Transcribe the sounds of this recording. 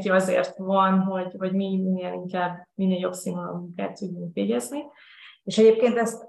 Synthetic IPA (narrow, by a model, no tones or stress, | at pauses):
ciɒzḛːrt̪vɒnɦo̞ɟvɒɟmiminːeːliŋkaːbminːeːljo̞bsinolɔ̰muŋka̰ːt̪ːuɟːyŋkʋeːɟɛzni | eːʃɛɟeːp̚keːnt̪ɛst̪